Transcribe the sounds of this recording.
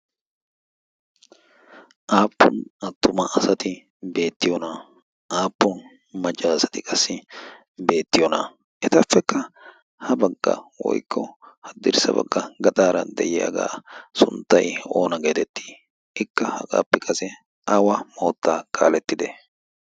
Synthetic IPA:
ʔaːpːʊnɐt̪ːʊmɐʔɐsɐt̪ɪ | be̞ːt̪ːɪjɔnɐ | ʔaːpːʊn | mɐt͡ʃʼːaːsɐ̥t̪ɪkʼɐsːɪ | be̞ːt̪ːɪjɔnɐ | ʔɛt̪ɐfːɛkːɐ | hɐbɐɡːɐ̰wɔ̰jkːɔhɐd̪ɪɾsɐ̰bɐ̰ɡːɐɡɐt̪ʼaːɾɐd̪ɛjɪja̰ːɡa̰ːsʊ̰nt̪ːɐjo̞ːnɐɡeːt̪ɛt̪ːi̥ː | ɪkːɐhɐkʼa̰ːpːɛkʼɐsɛ | ʔawɐmo̞ːt̪ːaːkʰʼa̰ːlɛt̪ːɪd̪ɛ

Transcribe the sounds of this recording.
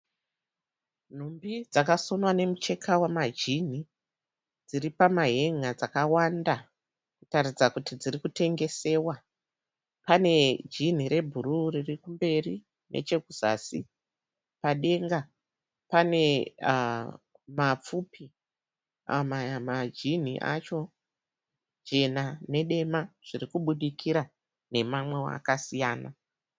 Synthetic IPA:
n̤umbid͡zakaso̞nwane̞mut͡ʃe̞kʰawamad͡ʒin̤i | d͡ziripamaɦe̞ŋad͡zakawanda | kutarid͡zakutid͡ziɾikute̞ŋɡe̞se̞ːwa | pane̞d͡ʒin̤iɾe̞bʱuɾuririkumbe̞ri | nʔe̞̰t͡ʃe̞kuz̥a̰si | paɗe̞ŋɡa | pane̞ | map͡fupʰi | a̰mamad͡ʒin̤ḭʔa̰t͡ʃo̞ | d͡ʒe̞nane̞ɗe̞maʐ̥irikuɓuɗikʰiɾa | ne̞mamwe̞wa̰kasijaːna

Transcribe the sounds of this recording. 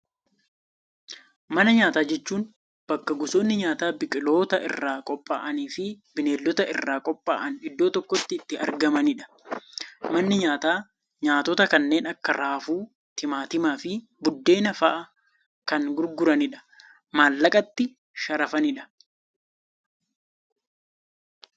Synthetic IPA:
mɐnɐɲaːt̪aːd͡ʒɛt͡ʃːuːn | b̥ɐkːɐɡʊsoːnːɪɲaːt̪aːbɪkʼɪlo̞ːt̪ɐʔɪ̰rːaːkʼɔpʼːaːʔɐniːfɪ | bɪneːlːɔt̪ɐʔɪ̰rːaːkʼɔpʼːa̰ːʔɐnɪd̪ːo̞ːt̪ɔkːɔt̪ːɪːt̪ːɪɐ̰ɾɡɐmɐnɪᶑɐ̥ | mɐnːɪɲaːt̪aː | ɲaːt̪ɔt̪ɐkɐnːe̞ːnɐkːɐɾaːfuː | t̪ɪmaːt̪ɪmaːfɪ | bʊd̪ːe̞ːnɐfɐʔɐ | kɐnɡʊɾɡʊɾɐnɪᶑɐ̥ | maːlːɐkʼɐt̪ːɪ | ʃɐɾɐfɐnɪᶑɐ̥

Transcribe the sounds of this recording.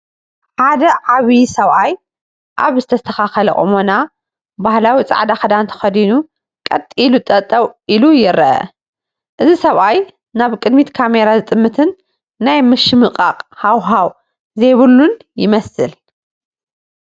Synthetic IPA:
ħad̪ɐʕaβisɐβʔaj | ʔa̰βzɨt̪ʰɐst̪ʰɐxaxɐlɐ̰ʔʼɨ̰mona | bahlawit͡sʼa̰ʕd̪axɐd̪ant̪ʰɐ̥xɐd̪inu | kʼɐt̪ʼːilut̪ʼɐt̪ʼːɐwʔilujɪɾɐʔɐ̰ | ʔɨzisɐβʔaj | naβkʼɨd̪mit̪kʰame̞ɾazɨt̪ʼɨmːɨt̪ʰɨnː | ajmɨʃɨmɨqʼaqʼhawɦaw | zejβɨlːun | jɪmɐsɨl

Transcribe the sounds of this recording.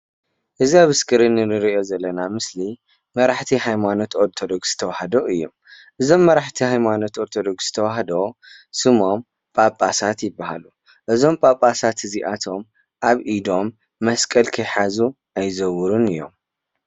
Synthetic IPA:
ʔɨziaβɨskʰʼɨɾɨnːɨnɨɾiʔo̞zɐlːɐnamɨsli | mɐɾaħt̪ʰiɦajmanot̪oɾt̪ʰod̪oɡsz̥ɨ̥t̪ʰɐwahɐd̪oʔɨjːo̰m | ʔɨzo̞mːɐɾaħt̪ʰihajmano̞t̪oɾt̪ʰod̪oɡz̥ɨ̥t̪ʰɐwaɦɐd̪o | sɨmo̞m | pʼapʼːasat̪jɪbːaha̰lu | ʔɨzo̞mpʼapʼːasat̪ʰɨziʔat̪ʰo̞m | ʔaβʔid̪o̞mː | ɐskʼɐlkʰɐjħazu | ajzɐwɾunɨjːo̞̰m

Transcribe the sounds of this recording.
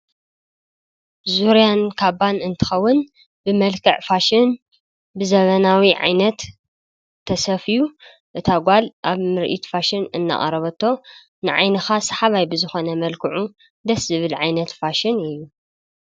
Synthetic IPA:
zuɾijankʰabanɨnt̪ʰɨ̥xɐwːʊn | bɨmɐlkʰɨʕfaʃɪn | bɨzɐβɐnawiʕa̰jnɐt̪ʰː | ɐsɐfiju | ʔɨt̪ʰaɡʷalʔaβmɨɾʔḭt̪faʃɪnɨnːa̰ʔʼɐ̰ɾɐβɐt̪ʰːo̞ | nɨʕa̰jnɨxasɐħaβajbɨzɨxo̞nɐmɐlkʰɨʕu | d̪ɐszɨβɨlʕajnɐt̪faʃɪnɨjːu

